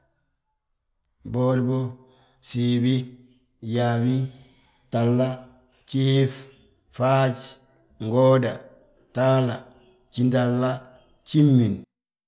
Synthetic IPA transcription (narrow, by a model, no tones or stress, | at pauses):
bolbo | sibi | jawi | talːa | t͡ʃiːf | faːt͡ʃ | ŋɡoːda | taːla | t͡ʃindalːa | t͡ʃimːin